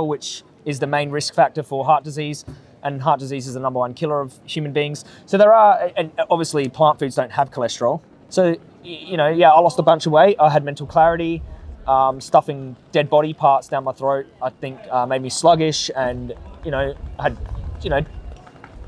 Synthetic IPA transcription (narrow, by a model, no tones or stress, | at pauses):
l̩ˠwɪt͡ʃ | ɨzðɨmẽɪ̃nɹɪskfæk̚tə˞fə˞ɦɑɹt̚d̥ɨziz | ʔɨ̃nɦɑɹt̚d̥ɨzizɨzənʌ̃mbə˞wʌ̃nkʰɪlˠə˞ʌv̥hjʉmɨnbiɪ̃ŋz̥ | soʊðə˞əɨ̃nɑbviɨslipʰl̥ɑ̃ntfʉdzdõʊ̃nthəv̥kʰəlɛstə̥ɹl̩ˠ | soʊ | jɨnoʊjæaɪlɔstəbʌ̃nt͡ʃʌvweɪʔaɪɨd̚mɛ̃ntˡl̩ˠkʰl̥æɹɨɾiʔʌ̃mstʌfɪ̃ŋd̥ɛd̚bɑɾipʰɑɹtsd̥ãʊ̃nmaɪθɹoʊt̚aɪθɪ̃ŋkʌmeɪd̚mislʌɡɪʃɨ̃njɨñoʊaɪd̚jɨnoʊ